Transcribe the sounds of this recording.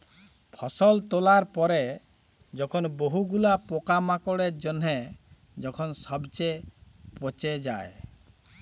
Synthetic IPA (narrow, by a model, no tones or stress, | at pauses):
pʰɔsɔlt̪olaɾpɔɾe | d͡ʒɔkʰɔnboɦuɡulapokamakɔɽeɾd͡ʒɔnɦɛ | d͡ʒɔkʰɔnsɔbt͡ʃepɔt͡ʃed͡ʒa̰e